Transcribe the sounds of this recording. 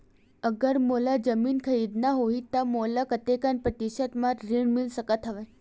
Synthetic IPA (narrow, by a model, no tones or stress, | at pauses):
əɡəɾmolad͡ʒəminkʰəɾid̪naɦoɦit̪amolakət̪ekanpɾət̪iʃət̪mãɾɾiɳmilsəkət̪ɦəʋe